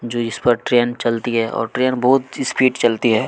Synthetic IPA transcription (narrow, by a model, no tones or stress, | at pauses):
d͡ʒoːɪspɐɾʈɾeːnt͡ʃɐlt̪iɦɛʔɔ̰ːɾʈɾeːnbɔɦʊt̪ɪspiːʈt͡ʃɐlt̪iɦɛː